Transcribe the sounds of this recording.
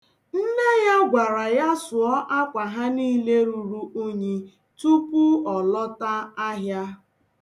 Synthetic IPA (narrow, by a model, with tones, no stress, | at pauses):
n̩˦ne˦ja˦ɡʷa˨ɾa˨ja˦sʊ˨ɔ˦ʔa˦kʷa˨ɦa˦ni˦le˦ɾu˨ɾu˦ʔo˦ɲe˨ | tu˦pu˦ɔ˨lɔ˦ta˦a˦ɦja˦